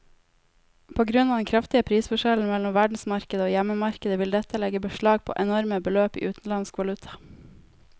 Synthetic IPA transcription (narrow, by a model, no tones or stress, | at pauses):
pʰoːɡɾʉnɑːd̪ɛnkʰɾɑft̪ɪəpʰɾiːsfɔʃɛln̩mɛlɔmʋæɖɳ̩smɑɾkəd̪əoːjɛməmɑɾkəd̪əʋɪld̪ɛt̪ʰəlɛɡəbəʃɭɑːɡ̚pʰo̰ːʔɛnɔɾməbəløːpḭːʔʉːt̪n̩lɑnskʋɑlʉt̪ʰɑ̥